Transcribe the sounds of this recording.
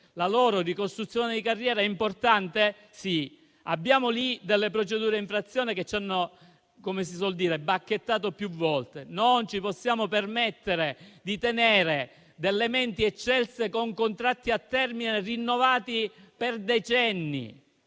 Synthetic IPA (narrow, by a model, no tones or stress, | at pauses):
lalɔːɾorikost̪ɾut̪sːjoːned̪ikarːjɛːɾaɛimport̪ant̪e | si | a̰bːjaːmolid̪elːepɾot͡ʃed̪uːɾeiɱfɾat̪sːjoːneket͡ʃːanːo | komes̬is̬wɔld̪iːɾebak̟ːet̪ːaːt̪̬opjuvːɔlt̪enont͡ʃiposːjaːmopermɛt̪ːeɾed̪it̪eneːɾe | d̪elːemɛnt̪iet͡ʃːɛlsekoŋkont̪ɾat̪ːiat̪ːɛrminerinːovaːt̪iperd̪et͡ʃɛnːḭ